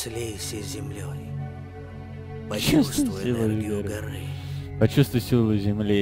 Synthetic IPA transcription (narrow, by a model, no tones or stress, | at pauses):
slʲejsʲezʲɪmlʲoj | pɐt͡ɕustsvj̪sʲilˠəjɾɡɐɾɨpɐt͡ɕust̪vʊjsʲilˠɨjzʲɪmlʲi